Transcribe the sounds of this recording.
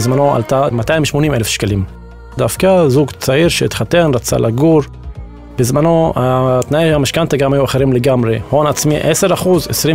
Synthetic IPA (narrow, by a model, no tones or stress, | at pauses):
zmanoa̰lt̪amat̪ajimʃmo̞nimelefʃkalim | d̪afkazuɡt͡saiɾʃeit̪χat̪enɾat͡sa̰lʔaɡuɾ | b̥ezmano̞at̪naeʃamaʃkant̪aɡamajuaχe̞ɾimleɡamʁeho̞nat͡smiʔese̞ɾaχuzesʁi